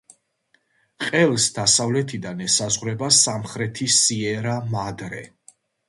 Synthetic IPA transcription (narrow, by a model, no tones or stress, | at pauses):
qʼɛlˠsd̪asavlɛt̪ʰid̪anɛsazʁɾɛbasamχɾɛt̪ʰisiɛɾamad̪ɾɛ